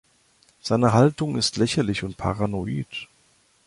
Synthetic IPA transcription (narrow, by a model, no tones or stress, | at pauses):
z̥aɪnəɦaltʊŋɪstlɛçɐlɪçʊnt̚pʰa̰ʁanoiːt